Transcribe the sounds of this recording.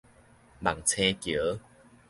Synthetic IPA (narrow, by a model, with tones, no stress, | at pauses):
ma˨˩ŋt͡sʰe˧kjə˨˦